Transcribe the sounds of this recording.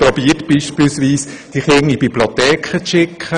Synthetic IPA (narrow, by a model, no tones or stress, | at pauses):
pɾɔbiːətb̥iːʃpilsʋiːsd̥iχɪŋibiblot̪ɛːkχət͡sʃɪkʰχə